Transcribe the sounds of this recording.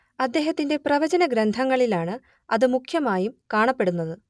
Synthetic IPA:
ɐd̪ːeːɦɐt̪ːinde̞prɐʋɐd͡ʑɐnɐɡɾɐnd̪ʱɐŋːɐɭilaːɳɨ | ɐðɨmukʰjɐmaːjumkaːɳɐpːe̞ɽunːɐðɨ

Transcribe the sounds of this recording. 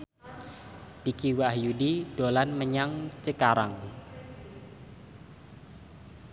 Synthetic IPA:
d̥ikiwahjudidolanməɲaŋt͡ʃəkaɾaŋ

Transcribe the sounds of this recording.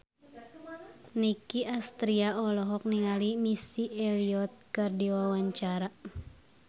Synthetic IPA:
nikiast̪ɾiaɔlɔɦɔk̚niŋalimisiɛliɔt̪̚kɨrdiwawaɲt͡ʃaɾa

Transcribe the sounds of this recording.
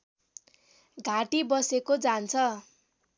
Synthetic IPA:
ɡʱaʈibʌsekod͡zant͡sʰʌ

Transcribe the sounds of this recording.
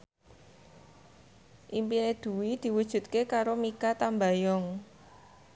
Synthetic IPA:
ʔimpined̪̥ṳwid̪̥i̤wud̥ʒ̥ṳt̪̚kekaɾomikat̪ambajɔŋ

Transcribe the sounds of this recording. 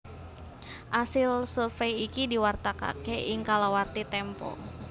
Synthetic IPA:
ʔasɪlsurfejikidiwart̪aka̰keʔiŋkalawart̪it̪ɛmpɔ̰

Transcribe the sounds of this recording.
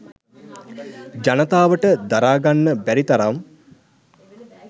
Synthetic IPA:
d͡ʒanət̪aːʋəʈəd̪aɾaːɡanːəbæɾit̪aɾam

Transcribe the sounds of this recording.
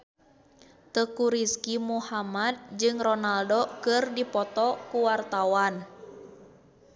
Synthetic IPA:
t̪əkuɾiskimuhamad̪̚d͡ʒɨŋrɔnaldokɨrdipɔt̪ɔkuwart̪awan

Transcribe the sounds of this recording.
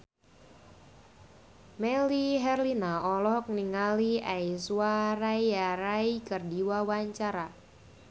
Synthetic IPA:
mɛliɦɛrlinaɔlɔhkniŋaliaisuarajaɾaikərdiwawaɲt͡ʃaɾa

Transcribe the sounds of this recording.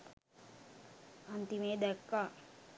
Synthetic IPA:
ɐnt̪imeːd̪ɐkːa

